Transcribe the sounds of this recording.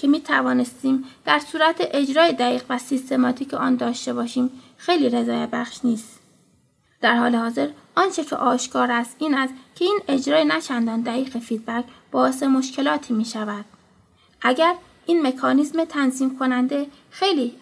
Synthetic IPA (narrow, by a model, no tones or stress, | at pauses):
kʰe̞miːt̪ʰævɒːne̞st̪iːmd̪̥æɾsuːɾæt̪ʰeʔed͡ʒɾɒːjed̪æɣiːɣvæsist̪ʰe̞mɒt̪ʰiːcʰeʔɒːnd̪ɒːʃt̪e̞bɒːʃiːm | xe̞jliːɾe̞zɒːjebæxʃniːst̪ | d̪̥æɾhɒːlehɒːze̞ɾʔɒːnt͡ʃʰe̞cʰḛʔɒːʃkʰɒːɾæst̪ʔiːnæst̪cʰe̞iːne̞d͡ʒɾɒːjenæt͡ʃʰænd̪ɒːnd̪æɣiːɣefiːd̪̚bækʰb̥ɒːe̞s̬e̞mo̞ʃkʰe̞lɒːt̪ʰiːmiːʃævæd̪̥̚ | ʔæɟæɾ | ʔiːnme̞kʰɒːnizmet̪ʰænziːmkʰo̞nænd̪e̞ | xe̞jliː